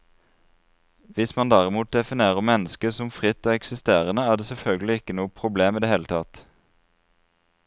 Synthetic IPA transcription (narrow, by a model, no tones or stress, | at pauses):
ʋɪsmɑnd̪æːʁɪmuːt̪̚d̪ɛfɪneːʁəmɛnəskəsʊmfʁɪt̪ːoːɛksɪst̪eːʁənəæːʁd̪eːsɛlfœlɡəl̩ɪɪkːənuːəpʰʁʊbleːmiːd̪eːheːlət̪ʰɑt̪